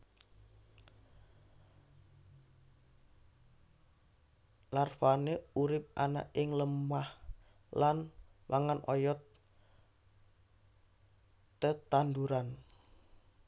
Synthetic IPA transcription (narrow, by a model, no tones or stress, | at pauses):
larfaneuɾɪp̚ana̰ʔɪŋləmah | lanwʔaŋanʔɔjɔt̪ | ət̪and̪uɾan